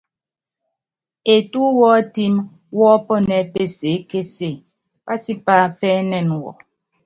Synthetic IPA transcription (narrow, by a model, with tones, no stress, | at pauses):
e˨tu˦wɔː˦ti˦m | wɔ˦pɔ˦nɛ˨˦pe˦˨se˨˦ke˦se˦˨ | pa˦si˦pa˦pɛ˦nɛ˦˨nwɔ̰˨